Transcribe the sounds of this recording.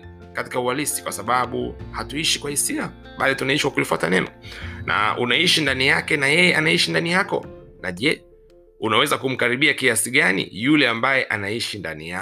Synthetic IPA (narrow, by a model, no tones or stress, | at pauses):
kati̥kaualisi̥kwasaɓaɓṵhatuiʃikwahisia | ɓalitunaiʃwakulifwatanɛnɔnʔa̰ʔṵnaiʃindanijakɛnajɛjɛanaiʃindanijakɔ̰naʄɛ | unawɛzakum̩kaɾiɓiakiasiɠanḭjulɛambajɛʔanaiʃinda̰nija